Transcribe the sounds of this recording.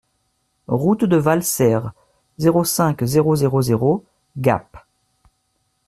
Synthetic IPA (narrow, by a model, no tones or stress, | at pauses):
ʁut̪d̪əvalsɛʁ | zeʁosɛ̃kzeʁozeʁozeʁo | ɡa̰p